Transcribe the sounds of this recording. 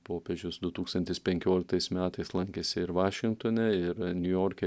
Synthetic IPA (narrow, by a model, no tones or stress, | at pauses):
poːpʲeːʒʲʊsd̪ʊt̪uːkst̪ɐnʲt̪ʲɪspʲɛŋʲkʲoːlʲɪk̚t̪ɐɪsmʲæːt̪ɐɪslˠɐŋʲkʲesʲɪɪɾʋɑːʃʲɪŋk̚t̪oːnʲɛɪɾnʲʊjoːɾʲkʲɛ